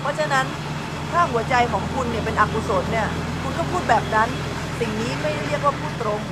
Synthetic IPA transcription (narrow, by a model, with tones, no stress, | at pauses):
pʰɔ˦˥t͡ɕʰa˧na˦˥n | kʰaː˥˩hu˩˦ɐt͡ɕa˧jkʰɔː˩˦ŋkʰu˧nːi˥˩ɐp̬e˧nʔa˨˩ku˧soː˩˦nni˥˩ɐ | kʰu˧nkʰɔː˥˩wpʰuː˥˩t̪̚bɛː˨˩p̚na˦˥n | si˨˩ŋniː˦˥ma˥˩jɾi˥˩ək̚waː˥˩pʰuː˥˩t̪ːɾo˧ŋ